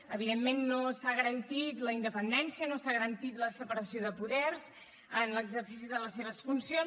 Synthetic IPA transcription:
əβiðemːenːosaɣəɾənt̪it̪ləind̪əpənd̪ɛnsiənosaɣəɾənt̪it̪ləsəpəɾəsioðəpuðɛrz | ənləɡzərsis̬iðələsːeβ̞əsfunsio

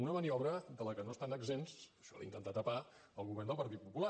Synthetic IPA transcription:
unəməniɔβɾəd̪ələkənoəst̪anəɡzensəʃɔa̰int̪ənt̪at̪əpa | əlˠɣuβɛrnd̪əlˠpəɾt̪it̪̚pupula

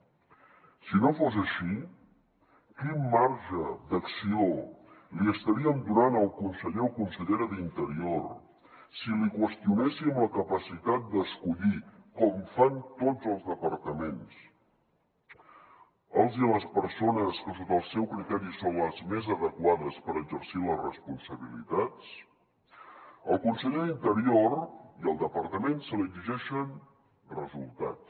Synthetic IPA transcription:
sinofozəʃi | kimːaɾʒəd̪əksioliəst̪əɾiəmd̪unanəlˠkunsəʎeukunsəʎeɾəðint̪əɾior | silikwəst̪iunɛsimləkəpəsit̪at̪̚d̪əskuʎikɔmfant̪od͡zəlˠzðəpəɾt̪əmens | əlˠziləspəɾsonəskəsot̪əlˠsɛwkɾit̪ɛɾisonləzmezəðəkwaðəspəɾəɡzəɾsiləzrəspunsəβilḭt̪at͡s | əlˠkunsəʎeðint̪əɾioriəlˠd̪əpəɾt̪əmensəliəɡziʒɛʃən | rəzulˠt̪a̰tt͡s

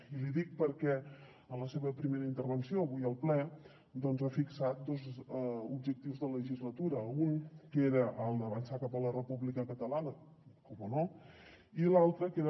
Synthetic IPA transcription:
iliðik̚pəɾkɛ | ənləseβəpɾimeɾəint̪əɾβənsioəβujəlˠplɛ | d̪ɔnzafiksat̪̚d̪ozub̚ʒək̚t̪iwzðələʒizlət̪uɾəuŋkeɾəʔəlˠd̪əβənsakapələrəpuβlikəkət̪əlanə | kɔmono | ilalˠt̪ɾəkeɾə

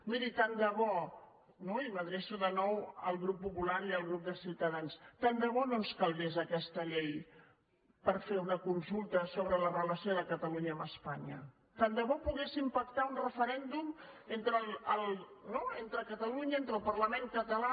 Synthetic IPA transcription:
miɾit̪and̪əβɔ | noiməðɾɛʃuðənɔwəlˠɣɾupːupulaɾiəlˠɣɾup̚d̪əsiwt̪əðanst̪and̪əβɔnoskalˠβezəkɛst̪əʎej | pəɾfeunəkunsulˠt̪əsoβɾələrələsioðəkət̪əluɲəːməspaɲə̰ | t̪and̪əβɔpuɣesimpək̚t̪aunrəfəɾɛnd̪um | ent̪ɾələlˠ | noent̪ɾəkət̪əluɲəent̪ɾəlˠpəɾləmeŋkət̪əla

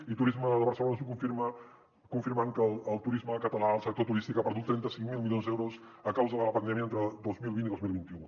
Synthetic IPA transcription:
it̪uɾizməðəβəɾsəlonəsukuɱfiɾmə | kuɱfiɾmaŋkəlˠːlˠt̪uɾizməkət̪əlaəlˠsək̚t̪ot̪uɾist̪ikapəɾðut̪ːɾɛnt̪əsiŋmilˠmiljonzd̪ɛwɾoz | əkawzəðələpənd̪ɛmjiəent̪ɾəd̪ozmilˠβint̪iðozmilˠβint̪iu

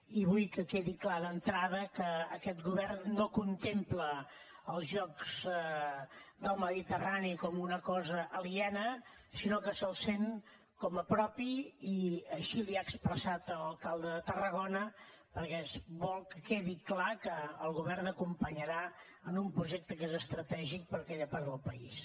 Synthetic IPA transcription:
iβujkəkeðiklaðənt̪ɾaðəkəːkɛt̪ɣuβɛrnːokunt̪emplə | əlˠzʒɔkz̥ | d̪əlˠməðit̪əranikɔmunəkɔzəʔːliɛnə | sinokəsəlˠseŋ | kɔməpɾɔpiiəʃiliaːkspɾəsat̪ələlˠkalˠd̪əðət̪ərəɣ̞onə | pəɾkɛsbɔlˠkəkeðiklakəːlˠɣuβɛrnəkumpəɲəɾa | ənumpɾuʒɛk̚t̪əkezəst̪ɾət̪ɛʒik̚pəɾəkɛʎəpaɾðəlˠpəis

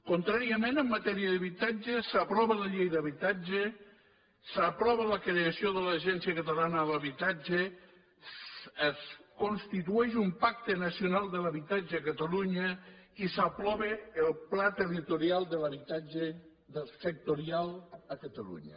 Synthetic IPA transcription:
kont̪ɾaɾiəmẽnəmːət̪ɛɾiəðəβit̪ad͡ʒesəpɾɔβələʎejðəβit̪ad͡ʒe | səpɾɔβələkɾeəsioðələʒɛnsiəkət̪əlanələβit̪ad͡ʒe | əskonst̪it̪uɛʃ̬umpak̚t̪enəsiunalˠd̪ələɐβit̪ad͡ʒeːkət̪əluɲəisəplɔβeːlˠplat̪ərit̪uɾialˠd̪ələβit̪ad͡ʒe | d̪əlˠsək̚t̪oɾialˠəkət̪əlṵɲə̰

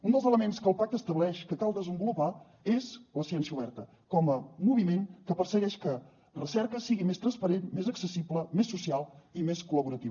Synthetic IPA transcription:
und̪əlˠzələmenskəlˠpak̚t̪əst̪əβlɛʃkəkalˠd̪əzəmbulupa | ezləsiɛnsiəuβɛrt̪ə | kɔməmuβimeŋkəpərsəɣɛʃkə | rəsɛɾkəsiɣimest̪ɾənspəɾenmezəksəsipləmesːusialˠimeskuləβuɾət̪iβə

